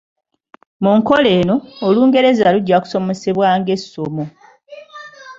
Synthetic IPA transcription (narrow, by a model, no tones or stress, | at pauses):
muŋko̞le̞ːno̞ːluːŋɡe̞ɾe̞zaluɟːaku̥so̞mo̞seβwaːŋɡe̞so̞mo̞